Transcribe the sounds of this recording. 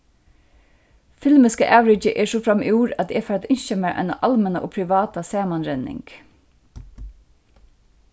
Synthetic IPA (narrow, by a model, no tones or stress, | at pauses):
fɪlmɪskəʔæːʋɹɪd͡ʒəʔeːʂofɾɑmʔɪ̰uːɾɑt̪̚d̪eːɛːfɑɾɑt̪ɪɲʃəmæɹʔɛ̰na̰ʔɑlmɛnə̰ʔo̰ːpʰɾɪʋɑːt̪asɑːmɑnɾɛnɪ̰ŋɡ̥